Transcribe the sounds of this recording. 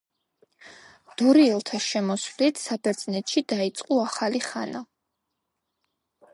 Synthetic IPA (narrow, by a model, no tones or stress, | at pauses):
d̪̥ɔɾiɛlˠt̪ʰaʃɛmɔsvlit̪ʰsabɛɾd̪z̥nɛt̪ʃid̪ait̪sʼqʼuaχaliχa̰na